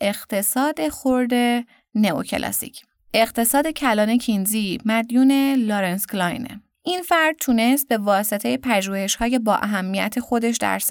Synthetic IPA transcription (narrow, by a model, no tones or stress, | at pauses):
ʔe̞ɣ̥t̪ʰe̞sɒːd̪e̞xoɾd̪e̞ | neo̰cʰe̞̰lʔɒ̰sḭcʰ | ʔe̞ɣt̪ʰe̞sɒːd̪e̞cʰælɒːne̞cʰinzimæd̪juːne̞loɾensklɒjnḛ | ʔinfæɾd̪̥̚t̪ʰuːne̞st̪̚be̞vɒːse̞t̪ʰe̞jepʰæʒuːhe̞ʃhɒːje̞bɒːʔæɦæmːijæ̰t̪ʰe̞xo̞d̪e̞ʃd̪æ̰ɾs